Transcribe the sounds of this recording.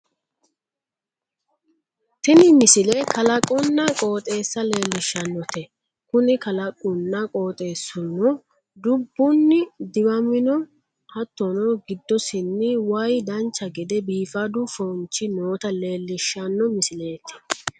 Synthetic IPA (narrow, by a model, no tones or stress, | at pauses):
t̪ɪnɪmɪsɪlekɐlɐkʼʊnːɐkʼo̞ːt̪ʼe̞ːsːɐle̞ːlːɪʃːɐnːɔt̪ɛ | kʊnɪkɐlɐkʼːʊnːɐkʼo̞ːt̪ʼe̞ːsːʊnːɔ | d̪ʊbːʊnːɪd̪ɪbɐmɪnɔ | hɐt̪ːɔnɔɡɪd̪ːɔsɪnːɪwɐjd̪ɐnt͡ʃːɐɡɛd̪ɛbiːfɐd̪ʊfɔnt͡ʃːɪnoːt̪ɐle̞ːlːɪʃːɐnːɔmɪsɪle̞ːt̪ɪ̥